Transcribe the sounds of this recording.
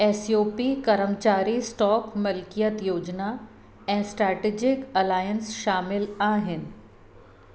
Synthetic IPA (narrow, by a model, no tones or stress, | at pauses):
ɛːsijoːpikɐɾəmt͡ʃaːɾisʈɔːkmɐlkijət̪joːd͡ʒna | ɛ̃ːsʈɾɛːʈeːd͡ʒɪkɐlaːjənsʃaːmɪlaːɦɪn